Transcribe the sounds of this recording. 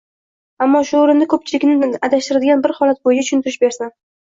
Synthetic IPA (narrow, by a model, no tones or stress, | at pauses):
amːɒʃʊoɾɪnd̪akʰɵp̚t͡ʃʰɪlɪkʲnɪad̪aʃt̪ɪɾad̪ɪɡʲanbɪɾhɒlat̪̚bojɪd͡ʒat͡ʃʰʊ̥ʃʊnt̪ɪɾɪʃbe̞ɾsɪn